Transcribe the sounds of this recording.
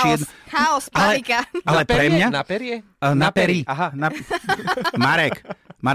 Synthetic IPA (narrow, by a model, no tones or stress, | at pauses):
iɛd̪haɔspalɛikaalɛpɾɛmɲanapɛɾɪɛ | napɛɾiaɦana | maɾɛkma